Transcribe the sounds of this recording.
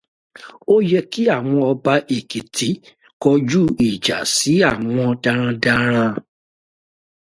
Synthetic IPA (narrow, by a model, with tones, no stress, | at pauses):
o˦jɛ˧ki˦a˦˨w̃ɔ̃˧ɔ˧ba˧ʔe˨ki˨ti˨˦ | kɔ˧d͡ʒu˦i˨d͡ʒa̰˨si˨˦a˦˨w̃ɔ̃˧da˧ɾ̃ã˧da˧ɾ̃ã˧